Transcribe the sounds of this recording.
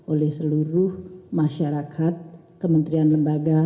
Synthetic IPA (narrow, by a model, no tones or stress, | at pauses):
ʔolɛhsəluɾʊhmaʃaɾakʰat̪̚ | kəmənt̪ɾianləmbaɡa